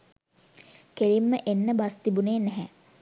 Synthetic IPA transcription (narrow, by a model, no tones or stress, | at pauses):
kelimːəʔenːəbast̪ibuneːnɛɦɛ